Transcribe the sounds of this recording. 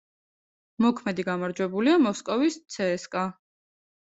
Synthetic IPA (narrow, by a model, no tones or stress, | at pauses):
mɔkʰmɛd̪iɡamaɾd͡ʒwɛbuliamɔskʼɔvist̪sʰɛːskʼa